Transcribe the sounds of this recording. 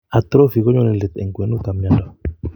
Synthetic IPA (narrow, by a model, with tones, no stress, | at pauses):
a˨t̪ɾo˦fi˨kɔ˦ɲɔ˦nɛ˨lɛ˨t̪ɛ̰˨ŋɡwɛ˨˦nu˦t̪a˨mɲa˨ndɔ˨